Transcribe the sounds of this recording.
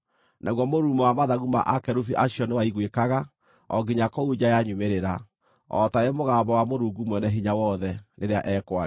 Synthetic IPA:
nʔaɣwɔmoɾuːmɔwamaðaɣuma̰ʔakɛɾufiʔaɕjɔnewaiɣwekaɣa | ɔ̰ɡiɲakɔud͡ʑajaɲumeɾeɾa | ɔ̰taemoɣaːbɔwamoɾuɡumwɛnɛɦiɲawɔðɛnʔeɾeaʔɛkwa

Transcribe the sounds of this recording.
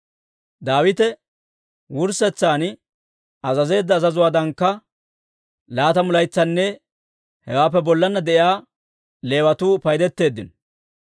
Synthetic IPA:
d̪aːwɪt̪ɛ | wʊɾsɛt͡sːaːn | ɐzɐze̞ːd̪ːɐːzɐzʊwaːd̪ɐŋkːɐ | laːt̪ɐmʊlɐjt͡sːɐnːɛ | hɛwaːp̬ːɛbɔlːɐnːɐd̪ɛʔɪaː | le̞ːwɐt̪uːpɐjd̪ɛt̪ːe̞ːd̪ːɪnɔ

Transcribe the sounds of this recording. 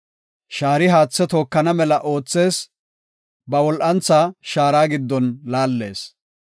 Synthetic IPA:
ʃaːɾɪɦaːt͡sːɛt̪oːkːɐnɐmɛlɐʔo̞ːt͡sːe̞ːs | bɐwɔlʔɐnt͡sːaʃaːɾaːɡɪd̪ːɔnlaːlːe̞̰ːs

